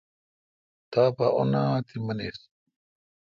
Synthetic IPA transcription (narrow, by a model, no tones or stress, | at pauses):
t̪aːpaʔo̰naːt̪ʰimɐnḛːs